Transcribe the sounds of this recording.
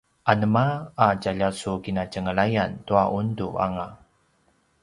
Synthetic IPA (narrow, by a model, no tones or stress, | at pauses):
ʔanəmaːɟaʎasukinacəŋəɭajantuaʔundua̰ŋa